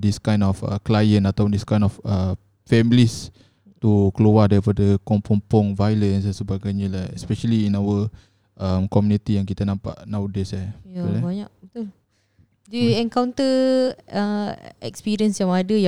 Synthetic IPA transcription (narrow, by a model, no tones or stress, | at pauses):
diskãj̃nɔfə̰klajə̃nt̪at̪apɔndiskãj̃nɔfə | fɛmlis | t̪ukəlowadaɾipadəkɔmpʰɔmpɔŋvajlənssəbaɡajɲəlaɛspɛʃəliːnawə | ʔəmkɔmjunit̪ijãŋkit̪ənãmpa̰ʔnawdɛsaalabaɲaʔt̪u | diɛ̃ŋkawnt̪ə | əɛ̰kspiɾiənsjãŋadəjã